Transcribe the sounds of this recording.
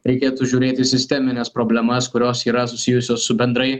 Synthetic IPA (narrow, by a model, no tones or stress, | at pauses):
ɾʲɛɪkʲeːt̪uːʒʲuːɾʲeːt̪ʲɪsʲɪsʲt̪ʲɛmʲɪnʲɛspɾoːbʲlʲɛmɐskʊɾʲoːsiːɾɐsʊsʲɪjʊsʲoːsːʊbʲɛnd̪ɾɐɪ